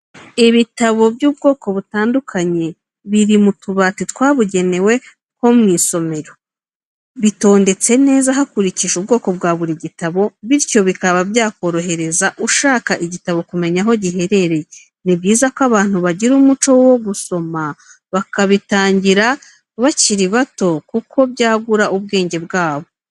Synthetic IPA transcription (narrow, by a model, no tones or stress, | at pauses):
iβitaβo̞bjuːbɡo̞ːko̞βutaːndukʰaɲe̞ | βiɾimutuβaːtitwaːβuɟe̞ne̞we̞ | ko̞mŋiːso̞me̞ɾo̞ | βito̞ːnde̞t͡se̞ne̞ːzaɦakuɾiciʃub̚ɡo̞ːko̞b̚ɡaːβuɾiɟitaβo̞βiɾco̞βikaβabjaːko̞ɾo̞ɦe̞ɾe̞zaʔuʃaːkaʔiɟitaβo̞kume̞ɲaɦo̞ɟiɦe̞ɾe̞ɾe̞je | nibɟiːzakoaβaːn̥huβaɟiɾumut͡ʃo̞wo̞ɡuso̞ma | βakaβitaːɲɟiɾa | βaciɾiβato̞kukʰo̞βɟaːɡuɾaʔuβɡe̞ːɲɟe̞bɡaːβo̞